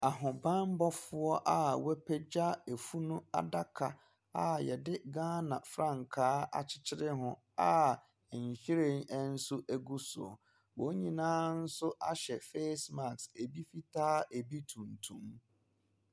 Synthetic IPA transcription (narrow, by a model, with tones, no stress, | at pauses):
a˨ɦʊ̃˨bã˦m˦bɔ˦fʊ˦ɔ˦ʔa˦˨wɛ˦pʰɛ˦d͡ʑa˦e˨fu˦nũ˦a̰˨da˦kʰa˨ | a˨jɛ˨dɪ˦ɡãː˦nã˨fɾã˦˨ŋ˨kʰaː˦a̰˨t͡ɕʰɪ̥˦t͡ɕʰɪ˦ɾɪ˦ɦʊ̃˨ | a˦˨ | ɲ̩˨ɕi˦ɾe˦˨nɛ˦n̩˦sʊ˦ʔæ˦ɡu˦sʊ̰˨ɔ̰˨ | wo˨˦ɲĩ˨nãː˦n̩˦sʊ˦ʔa̰˦ɕɛ˨fe˦sma˨kse˨bi˦fi˦tʰaː˦ʔe˨bi˦tʰũ˨ntʰũ˦m